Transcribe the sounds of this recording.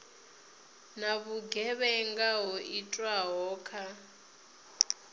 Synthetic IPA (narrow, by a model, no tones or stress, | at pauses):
naβuɡɛβɛŋɡaɦɔʔitʼwaɦɔːkʰa